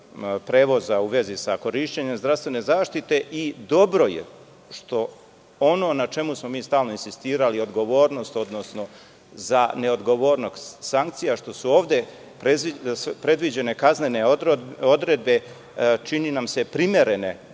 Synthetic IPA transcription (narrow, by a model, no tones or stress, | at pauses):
pɾe̞ːʋo̞zauʋe̞zisako̞ɾiʃt͡ɕeɲemzd̪ɾast̪ʋe̞ne̞zaːʃt̪it̪e̞ʔid̪o̞bɾo̞jḛ | ʃt̪o̞ | ono̞ːnat͡ʃe̞musmo̞miːst̪aːlno̞insist̪iːɾalio̞d̪ɡo̞ʋoːɾno̞st̪o̞d̪no̞sno̞ | zane̞o̞d̪ɡo̞ʋo̞ːɾnoɡsaŋkt̪sijaʃt̪o̞suoːʋd̪e̞ | pepɾed̪ʋid͡ʑe̞ne̞kazneneo̞d̪ɾe̞d̪̚be̞ | t͡ʃininamse̞pɾime̞ɾene̞̰